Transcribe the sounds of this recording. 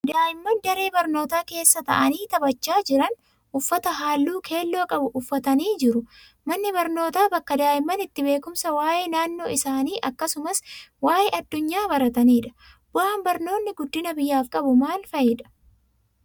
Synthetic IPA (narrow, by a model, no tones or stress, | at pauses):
d̪aːʔɪmːɐnd̪ɐɾe̞ːbɐɾno̞ːt̪aːke̞ːsːɐt̪ɐ̰ʔɐniːt̪ɐbɐt͡ʃːaːd͡ʒɪɾɐn | ʔʊfːɐt̪ɐɦaːlːuːkʰe̞ːlːo̞ːkʼɐbʊʔʊfːɐt̪ɐniːd͡ʒɪɾʊ | mɐnːɪbɐɾno̞ːt̪aːbɐkːɐd̪aːjɪmːɐnɪt̪ːɪbe̞ːkʊmsɐwaːʔeːnaːnːo̞ːɪsaːniːʔɐkːɐsʊmɐswaːʔeːʔɐd̪ːʊɲːaːbɐɾɐt̪ɐniːᶑɐ̥ | b̥ʊʔaːmbɐɾno̞ːnːɪɡʊd̪ːɪnɐbɪjːaːfkʼɐbʊmaːlfɐjɪᶑɐ̥